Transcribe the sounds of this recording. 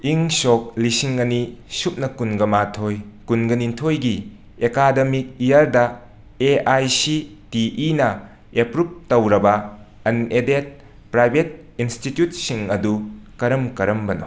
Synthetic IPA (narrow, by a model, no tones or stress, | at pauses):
iŋsok̚lisiŋɐnisup̚nɐkunɡɐmatʰojkunɡɐnintʰojɡi | ekademik̚ijɐɾdɐ | eajsitiʔːnɐ | epɾup̚tɐwɾɐbɐ | ɐnedet̚ | pɾajbʱet̚ | institjut̚siŋɐdukɐɾɐmkɐɾɐmbɐno̰